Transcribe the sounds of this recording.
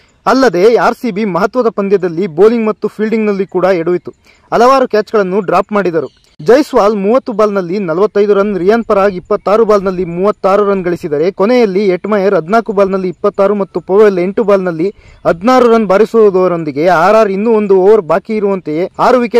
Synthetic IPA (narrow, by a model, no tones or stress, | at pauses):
ɐlːɐd̪e̞aːɾsibimɐɦɐt̪ʋɐd̪ɐpɐnd̪jɐd̪ɐlːiboːliŋɡmɐt̪ːupʰiːlɖiŋɡnɐlːikuːɽɐeɽuʋit̪ːu | ɐlɐʋaːɾukʲaːt͡ʃɡɐɭɐnːuɖɾaːpmaːɽid̪ɐɾu | d͡ʒɐjsʋaːlmuːʋɐt̪ːubaːlnɐlːinɐlɐʋɐt̪ːɐjd̪uɾɐnɾijɐnpɐɾaːɡiipːɐt̪ːaːɾubaːlnɐlːimuːʋɐt̪ːaːɾuɾɐnɡɐɭisid̪ɐɾe̞konejɐlːieʈmɐjɐɾɦɐd̪naːkubaːlnɐlːiːpːɐt̪ːaːɾumɐt̪ːupoʋɐjle̞ɳʈubaːlnɐlːi | ɦɐd̪naːɾuɾɐnbaːɾisoːd̪ɔʋɐɾo̞nd̪iɡe̞aːɾaːɾinːuond̪uoːʋɐɾbaːkiiɾuʋɐnt̪ejeaːɾuʋike